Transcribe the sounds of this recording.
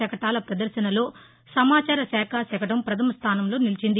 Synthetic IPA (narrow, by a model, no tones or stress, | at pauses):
ɛkɐʈaːlɐpɾɐd̪ɐɾʃɐnɐlo̞ː | sɐmaːt͡ʃaːɾɐsɛːkʰaːsɛkɐʈɐmpɾɐt̪ʰɐmɐst̪ʰaːnɐmlo̞ːnilit͡ʃind̪i